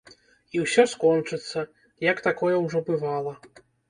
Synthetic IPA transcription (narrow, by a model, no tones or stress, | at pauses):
iwsʲɔskɔnt͡ʂɨt̪sːɐ | jɐkt̪akɔjɛwʐɔbɨvalˠɐ